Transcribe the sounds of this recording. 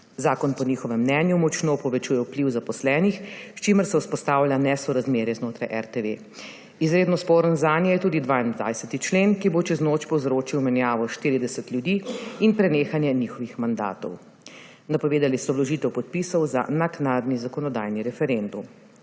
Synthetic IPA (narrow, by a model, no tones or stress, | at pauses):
zaːkɔnpɔniːxɔʋɛmːnɛːnjumɔt͡ʃnoːpɔʋɛt͡ʃuːjɛwpliwzapɔslɛːnixʃt͡ʃiməɾsɛuspɔst̪aːwlʲjanɛsɔɾazmeːɾjɛznoːt̪ɾajʔɛ̰ɾt̪eʋe | izɾeːd̪nɔspoːɾənzaːnjɛjɛt̪uːd̪id̪ʋaːind̪ʋa̰jsɛt̪it͡ʃleːnkibot͡ʃɛznot͡ʃpɔwzɾoːt͡ʃiwmɛnjaːʋɔʃt̪iːɾid̪ɛsɛt̪lʲjud̪iːinpɾɛneːxanjɛnixɔʋixmand̪a̰ːt̪ɔ̰w | napɔʋeːd̪alisɔblɔʒit̪ɛwpɔt̪̚pisɔwza̰naknaːd̪nizakɔnɔd̪a̰jniɾɛfɛɾend̪um